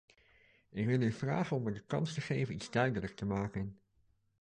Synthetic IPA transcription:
ɪkʋɪlˠyv̥ra̰ːχənɔməɹdəkɑ̰nstəχejvənidz̥dœɥdələktəmaːkən

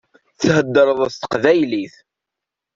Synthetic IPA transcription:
θhəd̪ːəɾˤəðˤəθt̪ə̥qðæjliθ

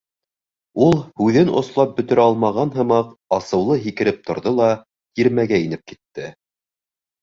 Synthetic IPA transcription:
ulˠhʉðɘnŏ̰slˠɑp̚bɵ̆t̪ɵ̆ɾæɑlˠmɑʁɑnɦɤ̆mɑqɑsɤ̆wlˠɤɦikɘ̆ɾɘp̚t̪ŏɾðolˠɑ | jiɾmæɡæin̪ɘp̚kit̪ːɘ

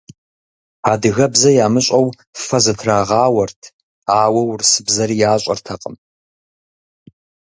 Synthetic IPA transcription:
aːdɨɣɐbzɐjaːmɨɕʼɐw | fɐzɐtʰraːʁɑːwɐrtʰ | aːwɐwrsɨbzɐɾijaːɕʷʼɐ̰rtʰɐqʼəm

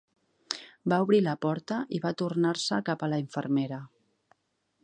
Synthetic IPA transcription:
bauβɾiləpɔɾt̪əʔiβat̪urnaɾsəkapələiɱfə̰ɾmeɾə

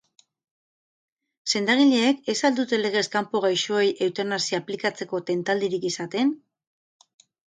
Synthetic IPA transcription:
se̞nd̪aɣ̞iʎe̞ːke̞sald̪ut̪e̞le̞ɣ̞e̞skampoɣ̞ajʃoejʔe̞wt̪eɾnasiaplikat͡se̞ko̞t̪e̞nt̪ald̪iɾikisat̪e̞n

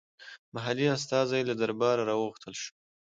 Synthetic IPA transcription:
maɦalias̬t̪ɑzajelad̪aɾbɑɾaɾɑwəɣxt̪əlʃu̥

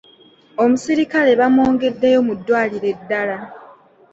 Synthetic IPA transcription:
o̞musiɾikale̞βamo̞ːŋɡe̞dːejo̞mudːwaːliɾe̞dːala

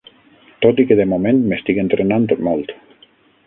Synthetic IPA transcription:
t̪ot̪ikeðemomẽnmest̪ikent̪ɾenant̪omɔlˠt̪

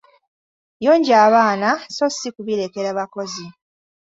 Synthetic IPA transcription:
jo̞ːɲɟaːβaːnaso̞sikuβiɾe̞ke̞ɾaβako̞zi

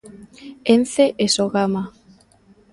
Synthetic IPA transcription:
enθeʔesoɣama

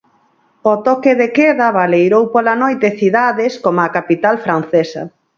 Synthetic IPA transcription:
ot̪ɔkeðekɛðɐβalejɾowpolanojt̪eθiðaðɪskomakapit̪alfɾan̟θesɐ̰

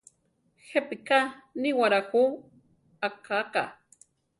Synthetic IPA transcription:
xepikaniwaɾaku | akaka̰

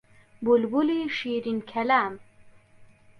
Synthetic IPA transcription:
bulbuliʃiɾinkʰɛlam

